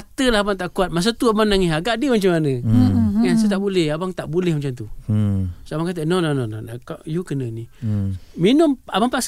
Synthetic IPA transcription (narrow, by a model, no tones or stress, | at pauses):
t̪əlaɦabaŋt̪aʔkuat̪̚mas̬at̪uabaŋnaŋiɦaɡaʔdiəmat͡ʃamanəjansət̪aʔbulɛhabaŋt̪aʔbulɛhmat͡ʃamt̪u | sabaŋkat̪̬ənononononakaʔjukənəni | minʊmabaŋpaʔs